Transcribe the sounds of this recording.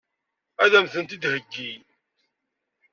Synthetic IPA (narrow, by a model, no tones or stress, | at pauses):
æðæmθənt̪id̪həɡːi